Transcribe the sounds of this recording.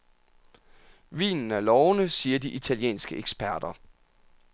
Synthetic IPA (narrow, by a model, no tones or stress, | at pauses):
ʋḭːnn̩æɐlɒʊnəsiːɐdiʔit͡sʰæljḛːnsɡ̥əʔeɡ̥sb̥æɐd̥ɐ